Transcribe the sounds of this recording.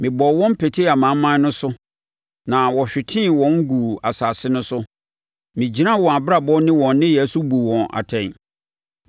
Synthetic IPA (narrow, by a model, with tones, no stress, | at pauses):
mɪ̃˨bɔ˨wɔ̃˦m̩˦pʰe˨tʰi˦a˨mã˨˦mã˦n˦nʊ̃˦sʊ˦ | nã˨wɔ˨ɕᶣɪ˨tʰɪ̃˦wɔ̃˦ŋ̩˦ɡu˨a˨saː˨sɪ˦nʊ̃˦sʊ˦ | mɪ̃˨d͡ʑi˨nã˦wɔ̃˨a˨bɾa˨bɔ˦nɪ̃˦wɔ̃˨nː˦ɪ̃˦jɛ˨˦su˦bu˨wɔ̃˨na̰˨tʰɛ̃˨n